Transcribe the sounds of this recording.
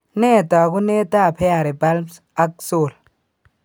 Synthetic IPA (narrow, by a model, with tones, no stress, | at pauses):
ne˦˨taː˨ku˦ne˦ta˦˨pɛ˦a˨ɾe˨ba˦l | a˦k̚so˦˨l